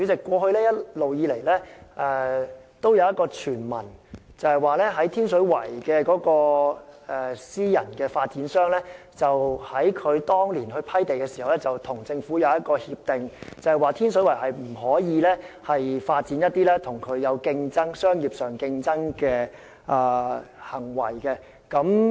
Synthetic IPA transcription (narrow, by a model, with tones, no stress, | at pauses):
yː˨˥t͡sɪ˨kːʷɔː˧ɦɵ˧ɥlɛː˥jɐ˥tlo˨wjiː˨˧le˨˩jlɛː˥ʔɛː˨t̪o˥wjɐ˨˧wjɐ˥tkɔː˧t͡ʃʰyː˨˩nmɐ˨˩nt͡sɐ˨˧hɐ˨jwaː˨˧lɛː˥ɦɐ˨˥jt̪ʰiː˥nsɵ˨˥ɥwɐ̰˨˩jkɛː˧kɔː˨˥kɔː˧ɛ˨siː˥jɐ̰˨˩nkɛː˧faː˧t̚t͡siː˨˥nsœː˥ŋlɛː˥ | t͡sɐ˨whɐ˨˥jkʰɵ˨˧ɥt̪ɔː˥ŋliː˨˩nhɵ˧ɥpʰɐ˥jt̪e˨jkɛː˧si˨˩hɐ˨wlɛ˥t͡sɐ˨wt̪ʰʊ˨˩ŋt͡sɪ˧ŋfu˨˥jɐ˨˧wjɐ˥t̚kɔː˧hiː˧p̚t̪ɪ˨ŋt͡sɐ˨˩hɐ˨˩jwaː˨˧t̪ʰiː˥nsɵ˨˥wɐ˨˩jɦɐ˨jm̩˨˩ɦɔː˨˥jiː˨˧lɛː˥hɐ˨jfaː˧t̚t͡siː˨˥njɐ˥t̚t̪ːiː˥lɛː˥t̪ʰʊ˨˩ŋkʰɵ˨˧ɥjɐ˨˧wkɪ˧ŋt͡sɐ˥ŋsœː˥ŋjiː˨p̚sœː˨˩ŋkɪ˧ŋt͡sɐ˥ŋkɛː˧ | ʔaː˨hɐ˨˩ŋwɐ̰˨˩jkɛ˧ | kɐ˨˥m